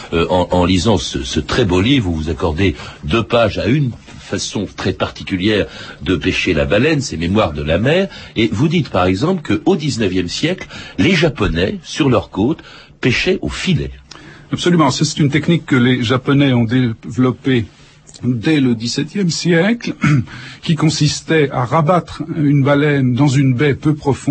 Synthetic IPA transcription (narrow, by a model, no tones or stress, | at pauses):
øʔɑ̃ɑ̃lizɑ̃sə̰sət̪χɛbolivʁvuzakɔʁd̪ed̪øpaʒayn | fasɔ̃t̪χɛpaʁt̪i̥kʲyljɛːʁd̪əpɛʃela̰balɛnsɛmemwaʁd̪əlamɛːʁevud̪it̪paʁɛɡzɑ̃plkəod̪iznəvjɛmsjɛklleʒapɔnɛsyʁlœʁkot̪ | pɛʃɛʔo̰filɛ̰apsɔlymɑ̃sɛsɛ̥t̪ynt̪ɛknikːəleʒapɔnɛɔ̃d̪evlɔpe | d̪ɛləd̪isɛt̪jɛmsjɛkl | kʲikɔ̃sist̪ɛaʁabat̪χynbalɛnd̪ɑ̃zynbɛpøpχɔfɔ̃